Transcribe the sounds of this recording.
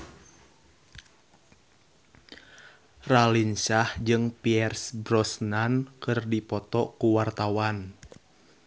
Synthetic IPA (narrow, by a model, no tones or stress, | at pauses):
ralinsahd͡ʒɨŋpiɛrsbrɔsnankɨrdipɔt̪ɔkuwart̪awan